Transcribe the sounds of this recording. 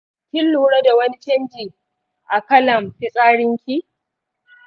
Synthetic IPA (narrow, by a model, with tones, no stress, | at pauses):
kʲɪ˦lːuː˨ɽa˦da˨wɐ˦ni˦t͡ʃɐ˦nd͡ʒiː˨ | ʔa˨kɐ˦lɐ˨mɸɪ˦sʼaː˦ɽɪ˦ŋkʲiː˦